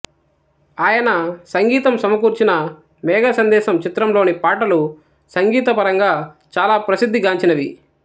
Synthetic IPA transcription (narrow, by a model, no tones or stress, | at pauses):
aːjɐnɐsɐŋɡiːt̪ɐmsɐmɐkuːɾt͡ʃinɐ | mɛːɡaːsɐnd̪ɛːʃɐmt͡ʃit̪ɾɐmlo̞ːnipaːʈɐlu | sɐŋɡiːt̪ɐpɐɾɐŋɡaː | t͡ʃaːlaːpɾɐsid̪ʱːiɡaːɲt͡ʃinɐʋi